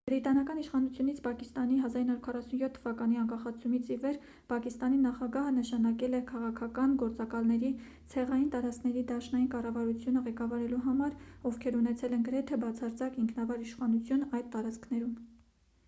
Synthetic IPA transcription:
bɾit̪ɑnɑkɑniʃχɑnut͡sʰjunit͡sʰpʰɑkist̪ɑniɦɑzɑɾinːɑɾuɾkʰɑrɑsunjɔt̪ʰːəvɑkɑn̪iɑŋkɑχɑt͡sʰumit͡sʰivɛɾ | pʰɑkist̪ɑn̪inɑχɑɡɑɦənəʃɑnɑkɛlɛkʰɑʁɑkʰɑkɑnɡɔɾt͡sɑkɑlnɛɾi | t͡sʰɛʁɑjint̪ɑɾɑt͡skʰnɛɾid̪ɑʃnɑjinkɑrɑvɑɾut͡sʰjunəʁɛkɑvɑɾɛluɦɑmɑɾɔvkʰɛɾunɛt͡sʰɛlɛnɡəɾɛt̪ʰɛbɑt͡sʰɑɾt͡sɑkiŋkʰnɑvɑɾiʃχɑnut͡sʰjunɑjd̪̚t̪ːɑɾɑt͡skʰnɛɾum

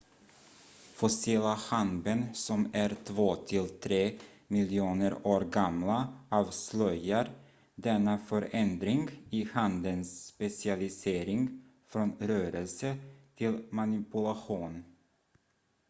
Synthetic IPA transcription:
fɔsiːlahanbənsɔmæɾt̪ʰvoːt̪ʰɪlt̪ʰɾeː | mɪlɪuːnəɾoːɾɡamlaɑːvslœjaɾ | d̪ɛnːafœɾʔɛnd̪ɾɪŋɡɪhand̪ənspɛsɪalɪseːɾɪŋ | fɾonɾœːɾəlsət̪ʰɪlmanɪpɵlaɧuːn

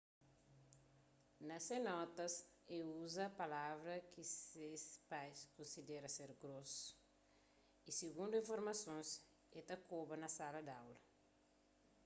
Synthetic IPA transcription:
nɐsenɔt̪ɐs | euzɐpalavɾɐkisespajskõnsid̪ɛɾɐseɾɡɾosu̥ | isiɡũnd̪uĩfoɾmɐsõns | et̪ɐkobɐnɐsalɐd̪awlɐ

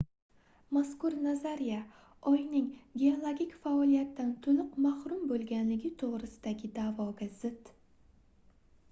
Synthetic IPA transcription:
moskʊɾnazaɾija | ɒjnɪŋɡʲeolˠoɡʲikʲfaɒlˠijat̪ːant̪ʰʊnʊqmahɾʊmbolˠɡʲanlɪɡʲɪt̪ʰoʁɾɪsɪd̪aɡʲɪd̪avɒɡazɪt̪

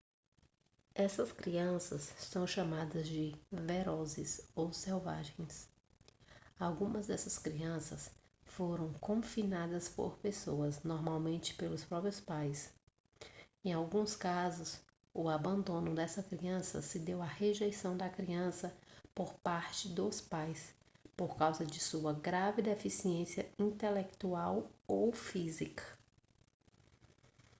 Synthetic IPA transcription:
ɛsɐskɾiɐ̃sɐsːɐ̃w̃ʃamad̪ɐzd͡ʒɪveɾɔzɪsowsɛwva̰ʒẽj̃s | awɡũmɐzd̪ɛsɐskɾiɐ̃sɐs | foɾɐ̃w̃kõfinad̪ɐspo̰ɾpesoɐznɔɾmawmẽnt͡ʃɪ̥pelʊspɾɔpɾiʊspajs | ẽj̃awɡũskazʊs | ʊabɐ̃nd̪õnʊd̪ɛsɐkɾiɐ̃sɐ̰sɪd̪ewɐheʒejsɐ̃w̃d̪ɐkɾiɐ̃sɐpoɾpaɾt͡ʃɪd̪ʊspajs | poɾkawzɐd͡ʒɪsuɐɡɾavɪd̪efisiẽsiɐĩt̪elek̚t̪uawowfizikɐ̥

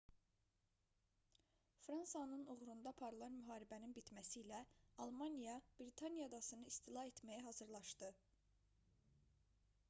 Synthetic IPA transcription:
fɾɑnsɑnɯnuʁɾund̪ɑpʰɑɾɯlˠɑnmyɦɑːɾibæninbit̪mæsiːlæɑlˠmɑnijɑb̥ɾit̪ʰɑnijɑd̪ɑsɯnɯist̪ʰilˠɑɦe̞t̪ʰmæjæɦɑzɯɾlˠɑʃd̪ɯ

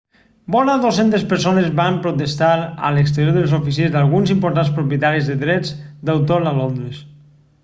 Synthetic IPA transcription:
bɔɾaðosent̪espəɾsonezβampɾut̪est̪aɾə̰leks̬t̪eɾjoɾðelˠzofisiezðalˠɣunzimpoɾt̪anspɾupjət̪aɾizðeðɾɛd͡zd̪awt̪olalond̪ɾes

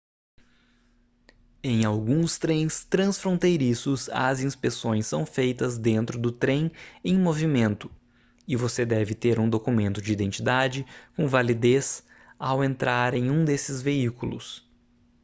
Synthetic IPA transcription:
ẽj̃awɡũst̪ɾẽj̃st̪ɾɐ̃sfɾõnt̪ejɾisʊsɐ̰zĩspesõj̃sːɐ̃w̃fejt̪ɐzd̪ẽnt̪ɾʊd̪ʊt̪ɾẽj̃ẽj̃movimẽnt̪ʊ̥ | ɪvosed̪ɛvɪt̪eɾũd̪okumẽnt̪ʊd͡ʒɪid̪ẽnt͡ʃid̪ad͡ʒɪkõvalid̪es | awẽnt̪ɾʔaɾẽj̃ũd̪esɪzveikulʊ̰s

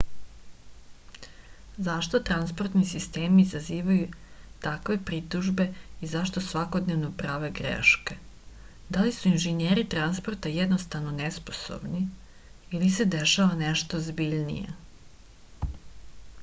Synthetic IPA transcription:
zaʃt̪ot̪ɾanspo̞rt̪nisist̪e̞ːmiːzaziːʋajut̪akʋe̞pɾit̪uʒbe̞izaʃt̪o̞sʋako̞d̪neʋnopɾaːʋe̞ɡɾḛʃke | d̪alisuinʒeneːɾit̪ɾanspoɾt̪ajed̪nost̪aʋnonespo̞̥so̰bni | ilise̞d̪eʃaʋaneʃt̪ozbiʎnḭjḛ

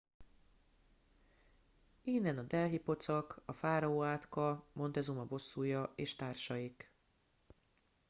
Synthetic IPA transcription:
iːnːɛnɒd̪ɛlɦipo̞t̪sɒkɒfaːɾɒoːaːt̪kɒmo̞nt̪ɛzumɒbo̞sːuːjɒeːʃt̪aːrʃɒjik

